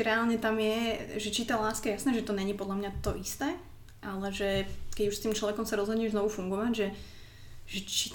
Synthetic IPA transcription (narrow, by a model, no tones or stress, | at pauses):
ɾɛaːlɲɛt̪amjɛʒɛt͡ʃit̪alaːskajɛjasnɛːʒɛt̪ɔɲɛɲipɔd̪lamɲat̪ɔʔist̪ɛː | ʔalɛʒɛkɛɟuʃst̪iːmt͡ʃlɔʋɛkɔmsaɾɔzɦɔd̪ɲɛʒznɔʋufuŋɡɔʋaɟʒɛ | ʒɛt͡ʃi